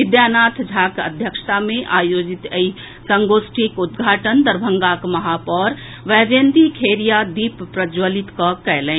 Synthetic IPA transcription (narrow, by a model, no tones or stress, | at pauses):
ɪd̪janaːt̪ʰd͡ʒʱaːkə̰d̪ʱjəkʃt̪amẽʔaːjoːd͡ʒit̪əi | səŋɡosʈʰikud̪ɡʱaːʈənd̪əɾbʱəŋɡakmɐɦaːpɔːɾ | ʋɛːd͡ʒeːnd̪ikʰeɾijad̪iːppɾəd͡ʒwəlit̪kɔkɛjlɛ̃